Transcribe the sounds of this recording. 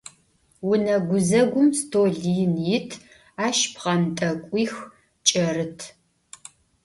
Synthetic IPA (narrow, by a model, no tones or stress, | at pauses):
wʊnɐɡʷʊzɐɡʷʊmstʰoːɮijnjɪtʰ | aːʃpʰqɐmtʼɐkʷʼiːx | t͡ʃʼɐrɨtʰ